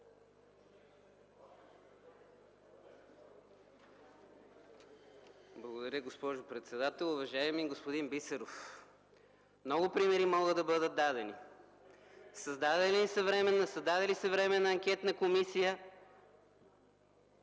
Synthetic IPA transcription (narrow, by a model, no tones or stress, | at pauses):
blˠɐɡod̪ɐɾʲəɡospɔʒʊpɾɛt̪sɛd̪at̪ɛlˠʊvɐʒaɛmiɡospod̪inbit̪sɛɾof | mnɔɡʊpɾimɛɾimɔɡəd̪ɐbɤd̪ət̪̚d̪ad̪ɛni | səzd̪ad̪ɛliisɐvɾɛmɛnːɐsɐzd̪ad̪ɛlisɐvɾɛmɛnɐɐŋkʲɛt̪nɐkomisijə